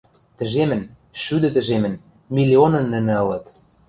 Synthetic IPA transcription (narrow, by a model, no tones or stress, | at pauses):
t̪ə̆ʒemɘ̆n | ʃyd̪ɘ̆t̪ə̆ʒemɘ̆n | milʲionɤ̆nːə̆nɘ̆ɤ̆lɤ̆t̪